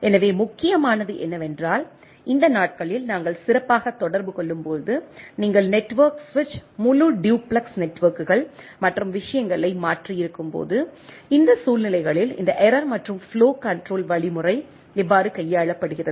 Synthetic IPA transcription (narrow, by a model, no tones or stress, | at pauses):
ɛnɐʋeːmʊkːɪjɐmaːnɐðɯʔɛ̰nːɐʋɛndraːl | ɪnd̪ɐnaːʈ̚kɐɭɪlnaːŋɡɐɭsɪɾɐpːaːɣɐt̪ːɔɽɐɾbɯkɔɭːɯmpoːðɯniːŋɡɐɭnɛʈːʋɐɾksʋɪt͡ʃːmʊluɖjuːpɭɐksnɛʈːʋɐɾkɯɣɐɭmɐʈrɯmʋɪʂɐjɐŋɡɐɭɐɪmaːʈrijɪɾɯkːɯmpo̰ːðɯ | ɪnd̪ɐsuːlnɪlɐɪɣɐɭɪlɪ̰nd̪ɐʔɛɾɐɾmɐʈrɯmfloːkɐɳʈroːlʋɐɭɪmɯrɐɪ | ɛʋːaːɾɯkɐjːaːɭɐpːɐɽɯɣɪrɐðɯ